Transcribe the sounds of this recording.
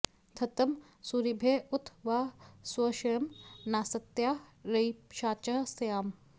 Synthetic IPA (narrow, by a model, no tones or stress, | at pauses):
t̪ʰɐt̪ɐm | suːɾibʱeːʊt̪ʰʋaːswɐʃɐjɐmnaːsɐt̪jaːɾɐipʃaːt͡ʃɐɦsɐjaːm